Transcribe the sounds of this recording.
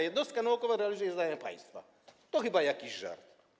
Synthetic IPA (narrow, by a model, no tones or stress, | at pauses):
jed̪nost̪kanoːkoʋaɾɛalˠizujezd̪aːjmɛpa̰jnst̪ʋa̰ | t̪oxibajakiʒa̰ɾt̪